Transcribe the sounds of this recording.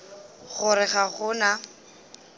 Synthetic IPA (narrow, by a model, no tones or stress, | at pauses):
ɣʊɾɪχaχʊna